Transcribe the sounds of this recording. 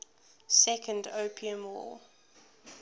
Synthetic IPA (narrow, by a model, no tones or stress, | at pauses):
sɛkʰə̃ndoʊpʰiə̃mwɔ̰